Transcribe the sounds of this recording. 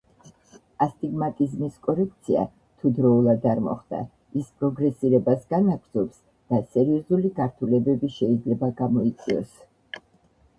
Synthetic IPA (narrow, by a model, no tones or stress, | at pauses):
ast̪ʼiɡmat̪ʼizmiskʼɔɾɛk̚ʰt̪sʰia̰ | t̪ʰud̪ɾɔulˠad̪aɾmɔ̰χd̪̥a̰ | ispʼɾɔɡɾɛsiɾɛbasɡanaɡɾz̥ɔps | d̪̥asɛɾiɔzuliɡaɾt̪ʰulɛbɛbiʃɛid̪zlɛbaɡamɔit̪sʼiɔ̰s